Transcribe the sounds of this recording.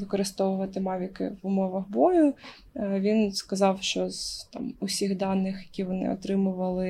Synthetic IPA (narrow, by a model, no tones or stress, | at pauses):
ʋɪkɔɾɪst̪ɔʋʊʋɐt̪ɪmɑʋʲikɪ̰ʋʊmɔʋɐɣbɔjʊ | ʋʲinskɐzɑwʃt͡ʃɔz̥t̪ɑ̰mʊsʲiɣd̪ɑnːɪxjɐkʲiʋɔnɪ̰ɔt̪ɾɪmʊʋɐlˠɪ